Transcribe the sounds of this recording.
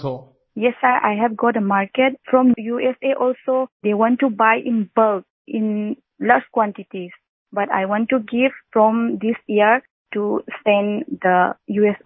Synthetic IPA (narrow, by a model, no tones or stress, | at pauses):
o | jɛsːaɹʔa̰jɦɛvɡɔt̚dəmaɹket̚fɹɔ̃mjuɛseʔɔlsod̪ewɔ̃ntːubajʔĩnbəlk | ĩn | laskwɔ̃ntitis | bata̰jwɔ̃ntːuɡivfɹɔ̃md̪isiəɹ | tusɛ̃nd̪əjuɛs